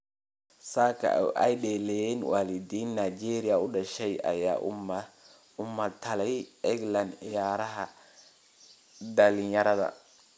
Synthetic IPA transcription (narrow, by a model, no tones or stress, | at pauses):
saːkʰɐ̰ɛjɗɛːlɛjɛnwaːlɪd̪iːnːajd͡ʒɛːɾɪjɐʊɖɐʃɛjʔɐ̰jaː | ʊmɐt̪ʰɐlɛjɛɡlɐnɪjaːɾɐɦɐ | d̪ɐlɪnjɐɾɐðɐ̰